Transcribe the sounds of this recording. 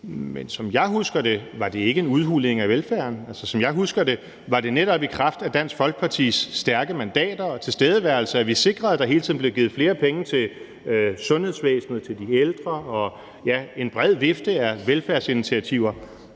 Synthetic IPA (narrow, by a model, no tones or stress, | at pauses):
mensɒ̽mjɑ̈ɪɦusɡ̥ɐd̥e̝ʋɑ̈d̥e̝e̝ɡ̥əe̝nuð̞ˠɦule̝ŋæʋelfæɐnælsəsɒ̽mjɑ̈ɪɦusɡ̥ɐd̥e̝ | ʋɑ̈d̥e̝neɾ̥ɒ̽b̥ikʰʁɑ̈fd̥æd̥æn̰sɡ̥fɒ̽lɡ̥̚pʰɑ̈t͡sʰḭsːd̥æɐɡ̥əmænd̥ɛ̰ːd̥ɐɒt͡sʰe̝sd̥eːð̞ˠəʋæɐl̩səæʋise̝ɡ̥ʁɐðˠd̥ɑ̈ɦe̝ːlt͡sʰið̰n̩b̥le̝ʊɡið̩ˠfle̝ːɐpʰeŋət͡sʰe̝l | sɔ̽nhe̝ð̞̰ˠsʋḛːsnəð̞̩ˠt͡sʰe̝ld̥ield̥ʁɐɒ̽ | jæe̝nb̥ʁɛð̞̰ˠʋe̝fd̥əæʋelfæɐsi̝nit͡sʰiæt͡sʰiʊɐ